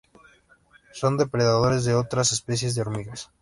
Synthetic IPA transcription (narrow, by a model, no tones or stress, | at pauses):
so̞nd̪e̞pɾeðaðo̞ɾe̞zðeo̞t̪ɾasespe̞s̬je̞zðeo̞ɾmiɣas